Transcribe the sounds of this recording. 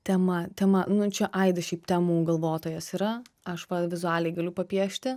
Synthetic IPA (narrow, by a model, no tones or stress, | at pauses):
t̪ʲɛmɐt̪ʲɛmɐnʊt͡ʃʲɛʔɐɪd̪ɐʃʲɛɪpt̪ʲɛmuːɡɐlˠʋoːt̪oːjɛsiːɾɐ | ɐʃʋɐʋʲɪzʊæːlʲɛɪɡɐlʲʊpɐpʲiɛʃʲt̪ʲɪ